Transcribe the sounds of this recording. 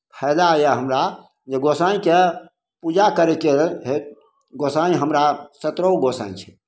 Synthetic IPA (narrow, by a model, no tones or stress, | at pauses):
pʰɛlajeɦəmɾa | d͡ʒeɡosaĩke | pud͡ʒakəɾɛkeɦe | ɡosaĩɦəmɾasət̪ɾəwɡosa̰ĩt͡ʃʰɛ̥